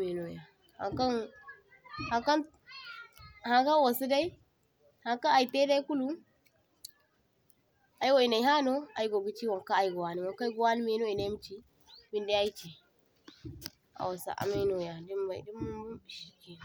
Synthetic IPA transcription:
me˨no˨ja̰˨ | ha̰˨ŋka˦ | ha˨ka˦n | ha˨ka˦nwa˨su˦da˦i˦ | ha˨ŋka˦a˨i˨te˦da˦i˦ku˦lu˦ | a˨i˦wa˦˨i˨na˨i˦ɦa˦no˦a˨i˦ɡo˨bi˦t͡ʃi˦wa˨ŋka˦a˨i˦˨ɡo˨wa˨ni˨wa˨ŋka˦i˦ɡu˨˦a˦ni˦me˨no˦i˨na˨jm˦t͡ʃi˦ | bi˦nda˦a˦i˦t͡ʃi˨ | a̰˨wa˨sa̰˨ʔa̰˨mi˦no˨ja˨di˦mba̰˨di˦m˦˨ʃi˨ki˨

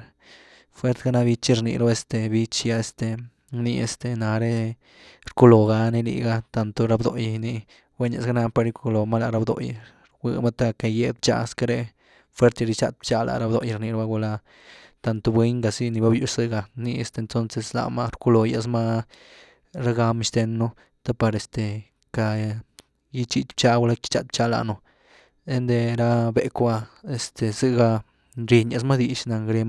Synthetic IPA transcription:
fwe˦ɾt̪ɡa˦na˧bi˧t͡ʃi˦ɾnḭ˧ɾo˦e˧st̪e˧bi˧t͡ʃja˦e˧st̪e˧ | ni˧ḛ˧st̪e˨na˨˧ɾe˦ | ɾku˦lo˨ɡa˧ni˦lḭ˧˨ɡa˦t̪a˧nt̪o˧ɾa˧bd̪o˧jni˧ | we˦ne˧sɡa˦na˧pe˧ɾi˧kʰu˧lo˨ma˦la˧ɾa˧bd̪o̰˨j | ɡʷɨ̰˧ma˦t̪a˦ke˧je˧d̪̚bt͡ʃa̰˧˨˧ska˦ɾe˧ | fwe˦ɾt̪a˧ɾi˧t͡ʃa˧t̪̚bt͡ʃa˧lʔa̰˨ɾa˧bd̪o˧ja˧ɾni˧ɾo˦ba˦ɡu˧la˧ | t̪a˧nt̪o˧bwe˦ɲɡa˨si˦ni˧ba˦bju˧z̥ɨ˧ɡa˧ni˧e˧st̪e˧nt̪o˦nse˧sla̰˧˨ma˦ɾku˧˦lo˧ja̰˧s̬ma˦ | ɾa˦ɡa˧m˧ʃt̪e˧nːo˦ | t̪a˦pa˧ɾe˧st̪e˨ | ka˧ | ji˦t͡ʃi˧t͡ʃ̪bt͡ʃa˧ɡa˧la˦ki̥˦t͡ʃa̰˧t̪̚bt͡ʃa˧˦la̰˨no˧ | e˦nd̪e˧ɾa˧be˧kba˧e˨st̪e˨sɨ˧ɡa˧ | nɾi˧ɲja˧s̬ma˦d̪i˧ʃna˨˧ŋɡɾe˧m

